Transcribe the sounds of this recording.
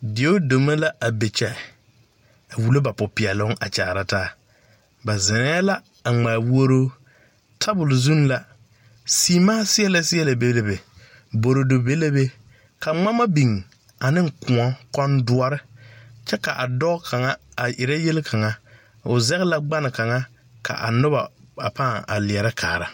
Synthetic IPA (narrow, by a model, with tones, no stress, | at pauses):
dɪ˨o˦do˨me˦la˦ʔa˨be˨t͡ʃɛ˨ | a˨wu˨lo˦ba˨pʊ˨pɪ˨ɛ˨lʊ˦ŋʔa̰˨t͡ʃa̰ː˨ɾa˦taː˦˨ | ba˨zɪ˨nɛ˦la˦ | a˨ŋ͡maː˨wu˦o˦ɾoː˦ | tʰa˦bʊ˨lzu˦n˦la˨ | siː˦maː˦sɪ˦ɛ˦la˨sɪ˦ɛ˦la˨be˦le˨be˨ | bo˨ɾo˨do˨be˦le˦be˦ | ka˨ŋ͡ma˦ma˦bi˨ŋ | a˨nɪ˦ŋ̩˨kʊ˨ɔ˦kɔ˦ndʊ˦ɔ˦ɾɪ˦t͡ʃɛ˦ka˨ʔa˨dɔː˦kʰa˨ŋa˦a˨ʔɪ˨ɾɛ˦je˦lɪ˦kʰa˨ŋa˦ | ʊ˨zɛ˦ɣla˦ɡ͡ba˦nɪ˨ka˨ŋa˦ | ka̰˨ʔa̰˨nʊ˦ba˨a˨paː˦˨a̰˨lɪ˨ɛ˨ɾɪ˦kʰaː˨ɾa˨